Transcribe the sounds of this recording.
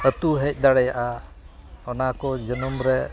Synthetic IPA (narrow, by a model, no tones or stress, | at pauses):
ət̪uɦɛc̚ˀd̪aɽɛjaʔa | ɔnakɔd͡ʒənəmɾɛ